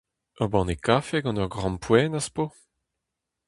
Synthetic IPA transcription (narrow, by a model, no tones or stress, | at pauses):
ɔbɑ̃nekafeɡɑ̃nœʁɡʁɑ̃mpwɛːnaspo